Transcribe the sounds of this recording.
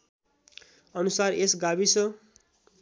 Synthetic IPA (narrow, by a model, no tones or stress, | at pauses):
ʌnusaresɡabisʰʌ